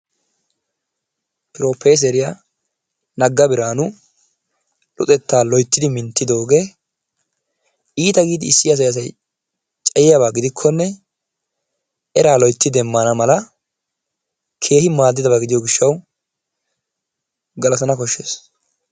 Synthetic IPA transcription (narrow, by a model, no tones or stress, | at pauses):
pɪɾo̞ːpːeːs̬ɛɾɪja | nɐɡːɐbɪɾaːnʊ | lʊ̰t̪ʼɛt̪ːaːlɔjt̪ːɪd̪ɪmɪnt̪ːɪd̪o̞ːɡeː | iːt̪ɐɡiːd̪ɪɪsːɪjɐs̬ɐjɐs̬ɐj | t͡ʃʼɐjɪjɐbaːɡɪd̪ɪkʰːɔnːɛ | ɛɾaːlɔjt̪ːɪd̪ɛmːɐnɐmɐlɐ | kʰe̞ːhɪmaːd̪ːɪd̪ɐbaːɡɪd̪ɪjɔɡɪʃːɐw | ɡɐlɐt̪ɐnɐkɔʃːeːs